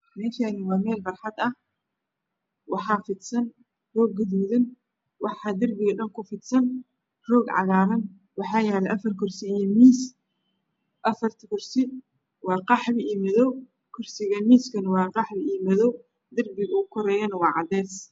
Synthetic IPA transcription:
mɛfanɪwaːmɛːlbɐɾħat̪ɐ | wɑħafɪt̪sɐn | roːɡːɪd̪mɪðɪn | wɑħad̪ɐɾbɪɣɐɗɐnkʊfɪt̪sɐn | roːɡʕa̰ɣaːɾɐn | wɑħajaːlɐʔɐfɐɾkʊɾsimiːs | ʔɐfɐɾt̪ʰikʊɾsɪ | waːqɑħbɪʔiːmɐðɔw | kʰʊɾsɪɣɐmiːskɐnwaːqɑħbɪʔiːmɐðɔw | d̪ɐɾbɪɡukʊɾɛjɐnwaːʕad̪ɛːs

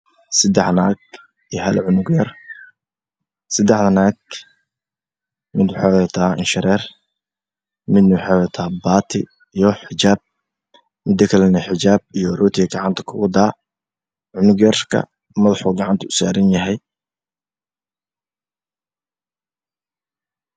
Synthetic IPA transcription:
sɐd̪ɛħna̰ːɡ | ijɦɐlʕʊnʊɡjɐr | sɐd̪ɛħðɐnaːɡ̚ | mɪd̪wħɑːwɛt̪ʰaːɪ̰nʃɪɾɛːr | mɪd̪nɐwħɑwɛt̪ʰaːbaːt̪ʰɪ̰ | ijɞħɪt͡ʃaːb̚ | mɪd̪ɐkʰɐlɛnɐħɪt͡ʃaːb̚ijɔrɔːt̪ʰɪɣɐɡɑʕɑnt̪ʰɐ̥kʰʊɣʊd̪aː | ʕʊnʊɡjɐrkʰɐ̰ | mɐðɑħuːɡɑʕɑnt̪ʰɐʊsa̰ːɾɐnjɐɦɛj

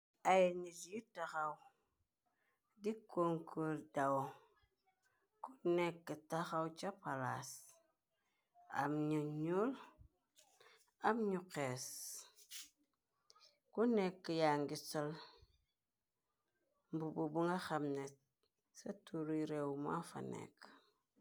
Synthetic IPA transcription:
ajeɲitjitaxaw | dikoŋkʰoldawo | kunekːətaxawt͡ʃapala̰s | a̰mɲuɲul | amɲukes | kunekːijaŋɡisol | mbububuŋaxamnet̚ | satuɾiɾewma̰fa̰nḛk

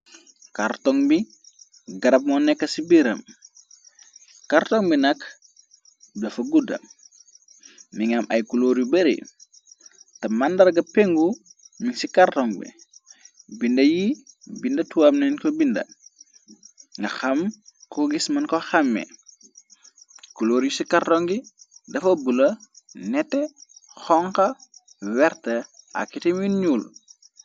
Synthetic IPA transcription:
kartɔŋbi | ɡɐɾɐp̚mɔnɛkːɐsibiɾɐm | kartɔŋbinɐk | dɐfɐɡudɐ̰m | miŋɐmʔɐjkuloːɾjubɛɾḭ | tɐmɐndɐɾɡɐpɛŋɡumiŋsikartɔŋbḭ | bindɐjibindɐtuwamnɛnkɔbindɐ̰ | ŋɡɐxɐmkɔɡismɐnkɔxɐmːɛ̰ | kuloːɾjusikartɔŋɡidɐfɐbulɐnɛtːɛxɔŋkɐ | wɛɾtɐa̰kːitɛmiɲuːl

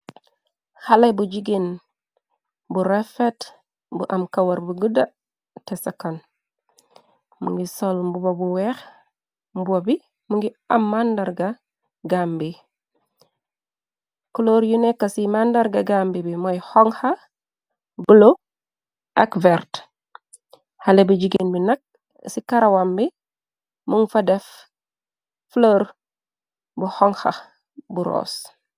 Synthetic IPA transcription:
halebud͡ʒiɡin | buɾɛfet | buʔamkawɐɾbuɡuda | tɛsakan | mṵŋɡisɔlmbubabuwɛx | mbuwabi | muŋɡi | amːandaɾɡa | ɡambi | kɔloɾjunɛkːɐsimandɐɾɡɐɡaːmbibimɔjhɔŋxɐ | ɡulo | ʔakvɛɾt | halebid͡ʒiɡenbinɐk̚ | sikaɾawambi | muŋfadɛf | floːɾ | buhɔŋxɐ̰ | buɾɔ̰ːs

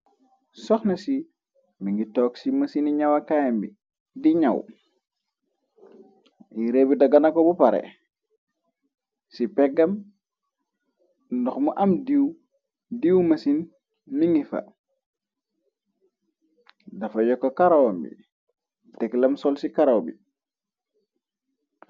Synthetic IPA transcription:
sɔxnɐsi | miŋɡitɔːksimɐsiniɲɐwɐkajɐmbḭ | diɲaw | jiɾeːbidɐɡɐnɐkɔbupɐɾɛ̰ | sipɛɡɐm | ndɔxmuʔɐmdiw | diwmɐsinː | iŋɡifɐ̰ | dɐfɐjɔkːɔkaɾawambḭ | tɛklɐmsɔlsikaɾawbḭ

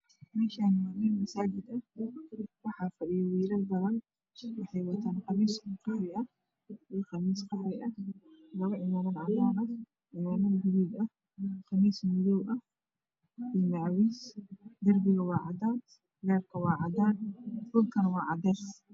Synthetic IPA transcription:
mɛʃaːnmaːniːnmɐsaːd͡ʒɪd̪ɐ | wɑħaːfɐɗɪjɔwiːɾɐdb̪ɐlɐn | wɑħɑjwɐt̪ʰaːnqɑmiːsqɑħɾɪʔɐ | iːqɑmiːsqɑħɾɪʔɐlɐβɐʕɪmaːnɐnʕɑd̪aːnɐ | ʕɪmaːnɐnhɪliːd̪ɐ | qɑmiːsmɪðɔwʔɐ | iːmɐʕwiːsd̪ɐrbɪɣɐwɑːʕɑd̪aːt̪ | ɡɛːrkʰɐwɑːʕɑd̪aːnfʊlkʰɐnwɑːʕɑd̪ɛːs

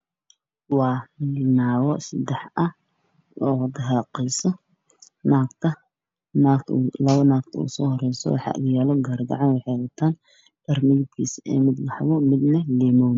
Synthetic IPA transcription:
wɑːmɪnaːɣɔsɐd̪ɛħʔɐ | ɔːd̪ɐɦaːqɛjsɔ | naːɡt̪ʰɐ | naːk̪ʰlɐβɐnaːɡt̪ʰɐṵsɔːhɔrɛjsɔ̰wɑ̰ħɑ̰ːʔɐ̰ɣɐjaːlɔɡɐrɡ̪ɑ̰ʕɑnwɑħɛɣɐt̪ʰaːn | b̥ɐrmɪjd̪kʰiːsɛ̰ːmɪd̪wɑħɣʊmɪd̪nɐlɛːmɔwn

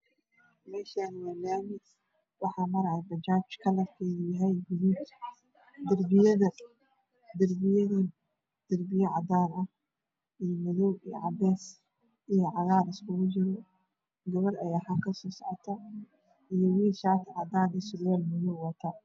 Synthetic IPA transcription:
mɛːʃaːnɪwalaːmɪ | wɑħɑːmɐɾɐʕɛjbɐt͡ʃaːt͡ʃkʰɐlɐfkʰɛːɣʊjaɦɛjbʊni | d̪ɐrbɪjɐðɐ | d̪ɐrbɪjɐði | d̪̥ɐrbɪjɐʕɑd̪aːnɐ | ijmʊðɔwij̰ʕɑbɛːs | ijɔʕɑɣaːɾɪskʰʊɣʊt͡ʃɪɾɔ | ɡɐβɐɾɐjaːħakʰɐsɔːsɔʕɔt̪ʰɐ | ijɔwiːnʃaːt̪ʰʕɑd̪aːnisʊɡjalmʊðɔwwɐt̪ʰɐ

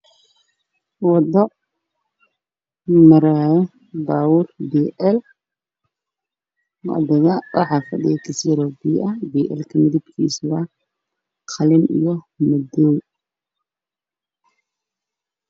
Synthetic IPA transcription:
wɑd̪ɔ | mɐɾaːjɛ | baːwʊrbiːʔɛl | ʔɐ̰ðɪɣɐwʔɑ̰ħɑːfɐ̰ɖɪjɐkʰɐsɾɔbiʔɐbiːʔɛ̰lkʰɐmɪðɪbkʰḭːswɐ | qʰɑlɪnḭjɔ | mɐd̪ɔw

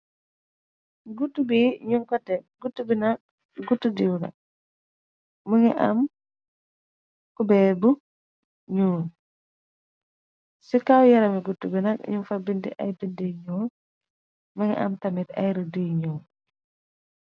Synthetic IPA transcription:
ɡutːubiɲuŋkɔtːɛɡutːubinɐk̚ | ɡutːudiwnɐ̰k̚ | məŋiʔam | kubɛbu | ɲuː | sikawjɐɾɐmiɡutːubinɐk̚ɲuŋfabindḭʔajbindiɲɔː | məŋɛ̰ʔa̰mtɐmitɐ̰jɾədiɲɔː

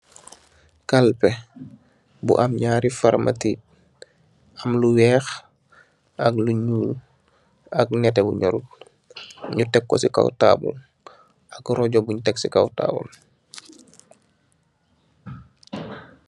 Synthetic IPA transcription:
kalpɛ | bṵʔamɲaːɾifaɾmʔa̰ti | amluwɛːx | akluɲuːl | ak̚nɛtɛbṵɲɔɾut̚ | ɲutɛkːɔ̰sika̰wta̰ːbṵl | akɾɔɟɔbuɲutɛksikawta̰ːbṵl

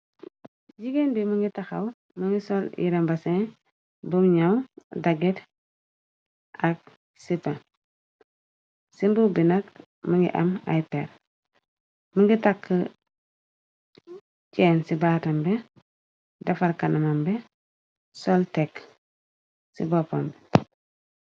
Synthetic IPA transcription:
ɟiɡenbiməŋɡitaxaw | məŋɡisolḭɾembasẽ | bumɲawdaɡet | ak̚ | sipa | simbubinɐk | məŋɡḭʔa̰ma̰jpeɾ | məŋɡitakːə | ceːnsibatɐmbɛ | dɐfɐɾkɐnɐmɐmbɛ | soltek | sḭbopombɛ

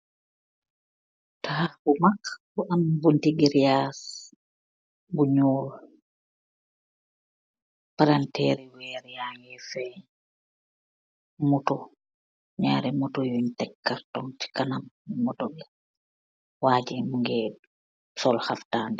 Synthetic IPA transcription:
tahabumakbuʔambuntiɡiɾjas | buɲɔːl | paɾantɛːɾɛwɛːɾjajɛfɛ | mutɔ | ɲaːɾɛmutɔjuɲtɛkːaɾtɔŋti̥kanammɔdɔlɛ | waːd͡ʒɛmuŋɡɛd | sɔlhaftaːndɛ

